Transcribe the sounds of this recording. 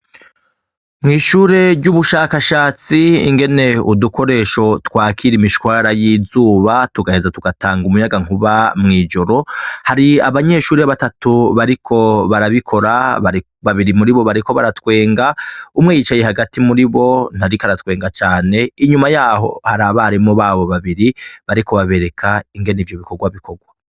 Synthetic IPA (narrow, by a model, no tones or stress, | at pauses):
mŋiːʃuːɾe̞ɾɟuβuʃaːkaʃaːt͡sḭːŋɡe̞ne̞uduko̞ɾe̞ːʃo̞twaːkʰiɾimiʃwwaɾajizuːβatuɡahe̞zatuɡataːŋɡumujaɡaŋ̥uβamŋiːd͡ʒo̞ɾo̞haɾia̰βaɲe̞ʃuːɾeaβatatuβaɾikʰo̞βaɾaβikʰo̞ɾaβaɾi | βaβiɾimuɾiβo̞βaɾiko̞βaɾatkwe̞ːŋɡaumŋejit͡ʃaje̞haɡatimuɾiβo̞n̥haɾikaɾatkwe̞ːŋɡat͡ʃaːne̞iɲumajaːɦo̞̰haɾaβahaɾimŋoβaβo̞βaβiɾiβaɾiko̞βaβe̞ɾe̞kʰaiŋɡe̞nivjo̞βikoɡwaβiko̞ɡwa